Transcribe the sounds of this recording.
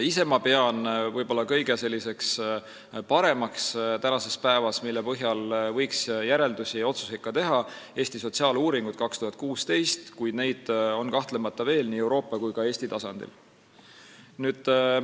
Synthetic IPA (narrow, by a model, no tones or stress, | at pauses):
ise̞mɑpe̞ɑnvɤjbo̞lːɑkɤ̞jɡ̥e̞se̞lʲːise̞ks | pɑɾe̞mɑkst̪ænɑse̞spæevɑsmilːepɤɦjɑlvɤ̞jksjæɾe̞ld̪usio̞t̪su̥sekːˑɑt̪e̞ɦɑe̞ːsʲt̪iso̞t̪siɑːluːɾiŋɡ̥ut̪̚kɑkst̪uhɑt̪̚kuːst̪e̞jst̪kujd̪ne̞jd̪̥o̞nkɑht̪le̞mɑt̪ˑːɑve̞ːlniːe̞wɾo̞ːpːˑɑkujkɑe̞ːsʲt̪it̪ɑsɑnd̪̥ḭl | nyːd̪̥